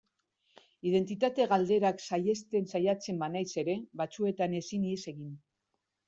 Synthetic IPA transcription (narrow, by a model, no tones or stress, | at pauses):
ið̞e̞nt̪it̪at̪e̞ɣald̪e̞ɾaksajest̪e̞nsajat͡se̞mbanajse̞ɾe̞βat͡sue̞t̪ane̞siniese̞ɣin